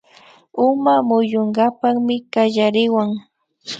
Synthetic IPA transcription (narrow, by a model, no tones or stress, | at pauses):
ʊmamʊjʊŋɢapaχmɪkaʎaɾɪwaŋ